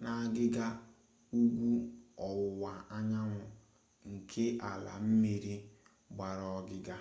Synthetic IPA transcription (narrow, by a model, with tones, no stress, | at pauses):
na˨a˨ɡɪ˦ɡa˦ | u˦ɡʷu˦ɔ˨wʊ˨wa˨a˦ɲa˦ŋʷʊ˨ | ŋ̩˨kʰe˦ʔa˨la̰˨m̩˦me˨ɾi˦ | ɡ͡ba˨ɾɔ˦ɡɪ˦ɡa˦